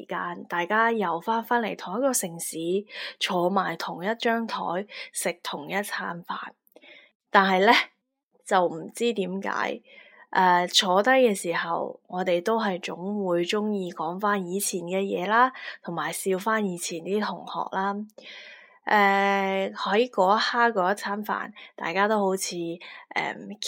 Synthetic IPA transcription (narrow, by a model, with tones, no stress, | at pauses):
kaː˧nt̪aː˨jkaː˥jɐ˨wfaː˥nfaː˥nle˨˩jt̪ʰʊ˨˩ŋjɐ˥t̚kːɔː˧sɪ˨˩ŋsiː˨˥t͡ʃʰɔː˨˧maː˨˩jt̪ʰʊ˨˩ŋjɐ˥t̚t͡ʃœː˥ŋt̪ʰɔ̰ː˨˥jsɪ˨k̚t̪ʰʊ˨˩ŋjɐ˥t̚t͡sʰaː˥nfa̰ː˨n | t̪aː˨nɦɐ˨jlɛ˥ | t͡sɐ˨wm̩˨˩t͡siː˥t̪iː˨˥mka̰ː˨˥j | ʔɛː˧t͡ʃʰɔː˨˧t̪ɐ˥jkɛː˧siː˨˩hɐ̰˨wŋɔː˨˧t̪e˨jt̪o˥wɦɐ˨jt͡sʊ˨˥ŋwuː˨˧jt͡sʊ˥ŋjiː˧kɔː˨˥ŋfaː˥njiː˨˧t͡sʰiː˨˩nkɛː˧jɛ̰ː˨˧laː˥t̪ʰʊ˨˩ŋmaː˨˩jsiː˧wfaː˥njiː˨˧t͡sʰiː˨˩nt̪iː˥t̪ʰʊ˨˩ŋhɔ̰ː˨k̚laː˥ | ʔɛː˨˧hɐ˨˥jkɔː˨˥ɐ˥haː˥kɔː˨˧jɐ˥t̚t͡sʰaː˨˥nfa̰ː˨˩nt̪a̰ː˨jkaː˥t̪o˥who˨˥wt͡sʰiː˨˧ʔɛ̰ː˧˩m